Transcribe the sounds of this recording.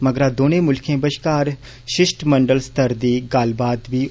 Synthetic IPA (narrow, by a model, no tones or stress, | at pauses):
məɡəɾaːd̪oːnẽːmʊlkʰẽːbəʃkaːɾ | ʃɪʃʈməɳɖəlst̪əɾd̪iːɡalbaːd̪ʋiː